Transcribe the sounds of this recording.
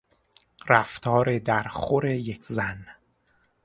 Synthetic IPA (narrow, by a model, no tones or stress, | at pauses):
ræft̪ʰɒːɾe̞d̪æɾχoɾe̞jekʰzæn